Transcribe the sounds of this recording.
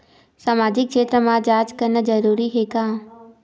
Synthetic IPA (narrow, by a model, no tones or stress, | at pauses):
saːmaːd͡ʒɪkʃeːt̪ɾəmãd͡ʒaːd͡ʒkəɾnəd͡ʒəɾuːɾiɦeːkãː